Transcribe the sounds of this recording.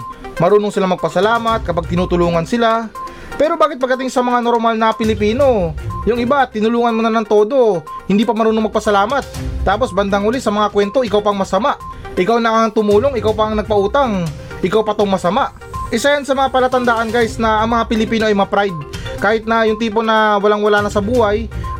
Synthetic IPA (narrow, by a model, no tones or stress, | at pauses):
mɐɾuːnoŋsɪlamɐɡ̚pɐsɐlaːmɐt̪̚kɐpaɡ̚t̪ɪnut̪ʊluːŋɐnsɪla | pɛːɾo̞baːkɪt̪̚pɐɡ̪̚ːɐt̪ɪŋsɐmɐŋano̞ɾmalnɐpɪlɪpiːno̞jʊŋɪbat̪ɪnʊluːŋɐnmʊnɐnɐŋt̪o̞ːd̪o̞hɪnd̪iːpɐmɐɾuːnoŋmɐɡ̚pɐsɐlaːmɐt̪̚ːaːpo̞sbɐnd̪aŋhʊlɛsɐmɐŋakwɛnt̪o̞ʔɪkawpɐŋmɐsɐmaʔʔɪkawnɐʔɐŋt̪ʊmuːlo̞ŋɪkawpɐɐŋnɐɡ̚pɐʔuːt̪aŋ | ʔɪkawpɐt̪oŋmɐsɐmaʔ | ʔɪsajansɐmɐŋapɐlɐt̪ɐnd̪aʔɐnɡajsnɐʔɐŋmɐŋapɪlɪpiːno̞ʔɐjmɐpɾajd̪̚kaːhɪt̪̚nɐjʊŋt̪iːp̬o̞nɐwɐlaŋwɐlaːnɐsɐbuːhaj